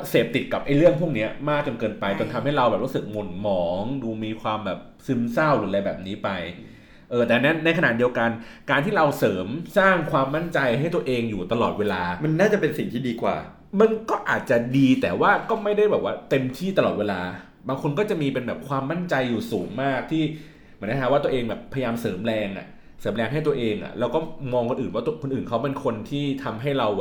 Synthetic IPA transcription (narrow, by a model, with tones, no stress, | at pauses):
seː˨˩p̚t̪i˨˩t̪̚ka˨˩p̚ʔa˧jɾɯ˥˩əŋpʰu˥˩əŋni˦˥ɐmaː˥˩k̚t͡ɕa˧nkɤː˧npa˧jt͡ɕo˧nt̪ʰa˧mha˥˩jɾa˧wbɛː˨˩p̚ɾu˦˥sɯ˨˩k̚mo˨˩nmɔː˩˦ŋduː˧miː˧kʰwaː˧mbɛː˨˩p̚sɯ˧˦˥msa˥˩wduː˨˧˩lɛ˧bɛː˨˩p̚niː˦˥pa˧j | ʔɤː˧t̪ɛː˨˩n˦˥na˧jkʰa˧na̰˨˩t̪̚di˧əwka˧nkaː˧nt̪ʰiː˥˩ɾa˧wsɤː˩˦msaː˥˩ŋkʰwaː˧mːa˥˩nt͡ɕa˧jhɦa˥˩jt̪u˧ɐʔeː˧ŋjuː˨˩t̪a˧lɔː˨˩t̪̚weː˧laː˧ma˧nːaː˥˩t͡ɕa˨˩pe˧nsi˨˩ŋt̪ʰiː˥˩diː˧kwa̰ː˨˩ | ma˧nkɔː˥˩ʔaː˨˩t̪̚t͡ɕa˨˩diː˧t̪ɛː˨˩waː˥˩kɔː˥˩ma˥˩jda˥˩jbɛː˨˩p̚waː˥˩t̪e˧mt̪ʰiː˥˩t̪a˧lɔː˨˩t̪̚weː˧laː˧ | baː˧ŋkʰo˧nk̬ɔː˥˩t͡ɕa˨˩ʔmiː˧pe˧nbɛː˨˩p̚kʰwaː˧mːa˥˩nt͡ɕa˧jːuː˨˩suː˩˦ŋmaː˥˩k̚t̪ʰiː˥˩ | mi˨˩˦nʰa˧˩a˦˥wːt̪u˧ʔeː˧ŋbɛː˨˩pʰa˧jajaː˧msɤː˩˦mɾɛː˧ŋʔa̰˨˩ʔ | sɤː˩˦mɾɛː˧ŋɦa˥˩jt̪ɐʔeː˧ŋʔa̰˨˩lɛː˦˥wkɔː˥˩mɔː˧ŋkʰo˧nʔɯː˨˩nwaː˥˩t̪u˧kʰo˧nʔɯː˨˩nkʰa˦˥wpe˧nkʰo˧nt̪ʰiː˥˩t̪ʰa˧mɦa˥˩jɾa˧w